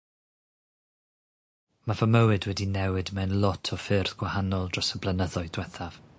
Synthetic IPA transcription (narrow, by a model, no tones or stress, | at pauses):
mavəməwɨdwɛdinɛwɨdmɛnlˠɔtʰɔfɪrθɡ̥wahanɔlˠdrɔsəblənəðɔɨdwɛθav̥